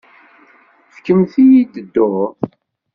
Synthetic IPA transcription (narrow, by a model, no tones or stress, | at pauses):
fkəmθijid̪əd̪ːʊ